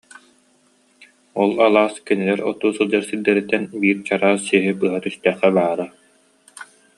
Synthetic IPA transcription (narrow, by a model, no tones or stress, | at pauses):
ɔlˠalˠaːskinilɛɾɔ̰t̪uːsɯlˠd͡ʑaɾsild̪ɛɾit̪ːɛnbiːɾt͡ɕaɾaːsiɦibɯɦat̪yst̪ɛːχːɛbaːɾa